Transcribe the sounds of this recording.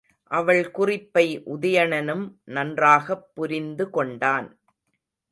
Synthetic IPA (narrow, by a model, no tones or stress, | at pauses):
ʔɐʋɐɭkʊrɪpːɐɪʔʊðɐjɐɳɐnɯmnɐndraːɣɐpːʊɾɪnd̪ɯkɔɳɖaːn